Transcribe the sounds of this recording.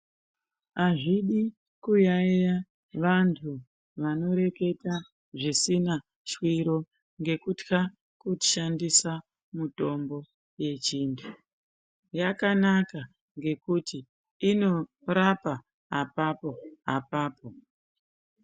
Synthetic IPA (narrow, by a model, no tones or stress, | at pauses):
aʐiɗi | kujaija | ʋantʰu | ʋano̞ɾe̞ke̞ta | ʐisina | ʃwiɾo̞ | ŋɡe̞kutka | kuti̥ʃandisa | muto̞mbo̞ | je̞t͡ʃiːntʰu | jakanaka | ŋɡe̞kutiː | no̞ | ɾapa | apapo̞a̰paːpo̞